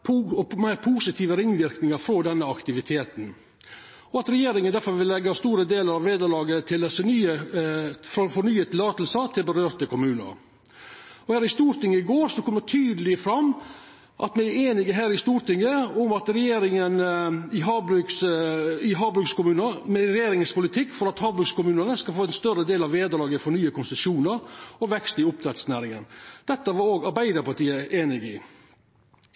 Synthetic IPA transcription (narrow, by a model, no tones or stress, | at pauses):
pʰːɔmæɪɾpʰuːsɪt̪ʰiːʋəɾɪŋːʋɪɾknɪŋəɾfɾɔd̪ɛnːəɑkt̪ɪʋɪt̪ʰeːt̪n̩ | ɔɑt̪ɾɛjeːɾɪŋənd̪æɾfɔɾʋɪlːɛɡːɑst̪uːɾəd̪eːləɾɑʋʋeːd̪əɾɭɑːɡət̪ʰɪld̪ɛsənyːə | fɾɔfɔnyːət̪ʰɪlɑːt̪l̩sət̪ʰɪlbəɾøːɾt̪əkʊmʉːnə̰ɾ | ɔhæːɾɪst̪uːɾt̪ɪŋːəɪɡoːɾsɔkʰɔmːət̪ʰyːd̪əlɪfɾɑmː | ʔɑ̰t̪mɛɪæeːnɪɡəɦæːɾɪst̪uːɾt̪ɪŋːəʊmɑt̪ɾɛjeːɾɪŋənəɪɦɑbɾʉksɪɦɑːbɾʉkskʊmʉːnəɾmɛɾɛjeːɾɪŋəspʊlɪt̪ʰɪkːfɔɾɑt̪hɑːbɾʉkskʊmʉːnənəskɑlfoːɛnst̪œɾəd̪eːlɑʋʋeːd̪əlɑːɡəfɔnyːəkʰʊnsəsuːnəɾɔʋɛkst̪ɪʊp̚t̪ʰɾɛt̪snæːɾɪŋə̰nd̪̥ɛt̪ːəʋɑɾoːɡɑɾbæɪd̪əɾpɑʈ̪iːəʔeːnɪɡəɪ̰